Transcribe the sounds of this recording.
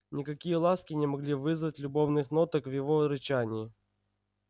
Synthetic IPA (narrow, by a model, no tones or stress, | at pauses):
nʲɪkɐkʲijəlˠaskʲɪnʲɪmɐɡlʲivɨzvətʲlʲʊbo̞vnɨxno̞t̪əkvjɪvoɾɨt͡ɕanʲɪː